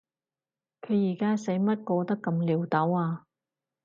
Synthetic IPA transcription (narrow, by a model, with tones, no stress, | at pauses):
kʰɵ˨˧ɥjiː˨˩kaː˥se˨˥jmɐ˥t̚kɔː˧t̪ɐ˥kːɐ˧mliː˨˧wt̪ɐ˨˥waː˧